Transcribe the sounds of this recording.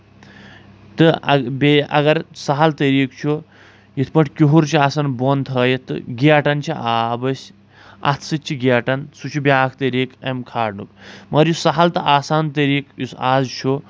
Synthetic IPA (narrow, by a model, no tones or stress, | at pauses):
t̪ɨbeɐ̰ɡɐɾsaɦalt̪əɾiːkt͡ʃʰu | jit̪ʰpɐʈʰʲkʲoɦuɾt͡ʃʰiaːsanbont̪ʰɐːjet̪ːɨ̰ɡaʈɐnt͡ʃʰiʔaːbɐsʲ | a̰t̪ʰsɨt͡ʃʰiɡiaʈɐnsut͡ʃʰubʲaːkʰt̪əɾiːkemkʰaːɽnṵk̚mɐɾjusaɦalt̪ɐʔaːsaːnt̪əɾiːkjusaːzt͡ʃʰu